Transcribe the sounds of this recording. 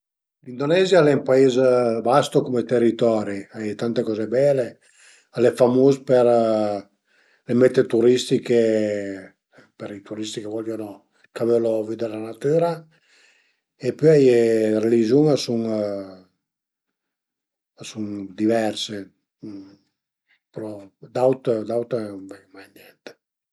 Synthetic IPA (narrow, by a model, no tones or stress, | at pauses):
lind̪onɛzjalɛmpaezbast̪okomet̪erːit̪ɔːɾiajt̪ant̪ekɔːzebɛle | alɛfamoːzper | lemɛt̪ːet̪uɾist̪ike | peɾit̪uɾist̪ikevɔljono | kaveloviːd̪eɾelanat̪yːɾa | epyajerelizuŋasuŋ | asuŋd̪ivɛrse | pɾɔd̪awt̪d̪awt̪eamajnɛnt̪e̥